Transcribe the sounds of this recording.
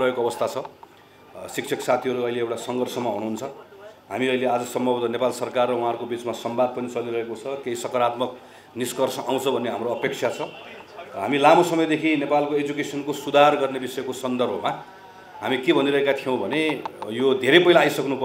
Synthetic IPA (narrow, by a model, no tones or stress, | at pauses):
ɾʌɦekoʌbʌst̪ʰat͡sʰʌ | sik̚t͡sʰʌksat̪ʰiɦʌɾuʌjleewʈasʌŋɡʌrsʌmaɦuɽ̃uɦunt͡sʰʌɦamiʌjlead͡zʌsʌmbʱʌbʌt̪ʌnepalsʌrkarːʌwuɦãʌɾkobit͡smasʌmbad̪̚pʌnit͡sʌliɾʌɦekot͡sʰʌkeisʌkʌɾat̪mʌk̚ | niskʌrsʌʔaw̃t͡sʰʌbʱʌnːeɦamroʌpeksʰjat͡sʰʌ | ɦa̰milamosʌmʌjd̪ekʰinepalkoed͡zukesʌnkosud̪ʱarɡʌrnebisʌekosʌnd̪ʌrbʱʌma | ɦamikebʱʌniɾʌɦekat̪ʰijʌ̃w̃bʱʌnejod̪ʱeɾepʌɦilaːjsʌknupʌ